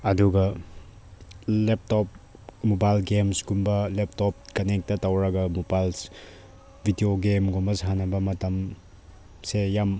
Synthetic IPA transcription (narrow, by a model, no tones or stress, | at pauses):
ɐduɡɐ | lep̚tɔp̚ | mobajlɡemsɡumbɐlep̚tɔp̚kɐnek̚tɐtɐwɾɐɡɐmobajls | bʱidioɡemɡombɐsɦanɐbɐmɐtɐm | sejam